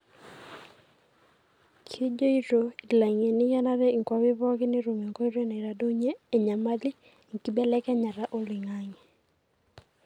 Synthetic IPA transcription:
kʰi˦d͡ʒo˦i˦ɾo˨i˨la˨ŋe˨ni˦ja˦na˦ɾɛ˦i˨ŋkwa˦wɪ˦βɔ˦ɡɪ˦ni˦ɾo˨me˨ŋko˦i˦ɾe˦na˨ɾa˨do˦ɲeː˦˨ɲa˨ma˦li˦ | ŋ˨ki˦bɛ˦lɛ˦kɛ˦ɲa˨ɾa˦ʔo˦li˨ŋa˦ŋe˨

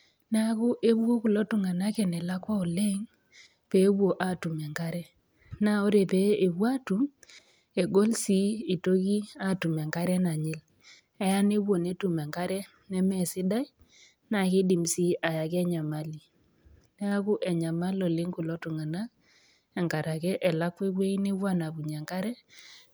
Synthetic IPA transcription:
nɛ˦a˦kʊ˦ʔe˦bwo˦ku˨lo˦tu˨ŋa˨na˦kɛ˨nɛ˨la˦kɔ˦ɔ˨le˦ŋ | pe˨˦wwo˨ʔa˨tu˨mɛ˨ŋka˦ɾɛ˦ | na˨o˦ɾe˨pe˦e˨wwa˦tu˨˦m | e˨ɡo˦lsi˦i˨to˦ki˦a˦˨tu˨mɛ˨ŋka˦ɾɛ˦na˨ɲɪ˦l | ɛ˦ja˦ne˦wwo˨ne˦tu˨mɛ˨ŋka˦ɾɛ˦ | nɛ˦mɛ˨sɪ˦da˦i˦ | na˨kɪ˦di˨msi˦ʔa˨ja˨kɛ˦ɲa˨ma˦li˨ | nɛ˦a˦kʊ˦ʔɛ˨ɲa˨ma˦lɔ˨lɪ˦ŋku˨lɔ˦tu˨ŋa˨na˦k | ɛ˨ŋka˨ɾa˨kɛ˦ʔɛ˨la˦kwe˦kwe˦i˦ne˦wwa˦˨na˨bu˨ɲɛ˨ŋka˦ɾɛ˦

